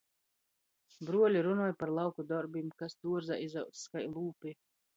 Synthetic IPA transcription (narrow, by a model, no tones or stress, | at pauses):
bɾuɔlʲiɾunɔːjpaɾlˠawkud̪ɔɾbimkasd̪uɔɾza̰ʔizawt̪sskajlˠuːpʲi